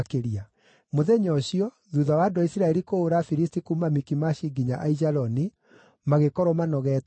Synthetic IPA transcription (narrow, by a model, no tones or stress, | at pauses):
keɾia | moðɛɲɔɕiɔ | ðuðawandoisiɾaɛɾikoːɾafiɾistikumamikimaɕiɡiɲaʔaizaɾɔni | maɣekɔɾɔmanɔɣɛt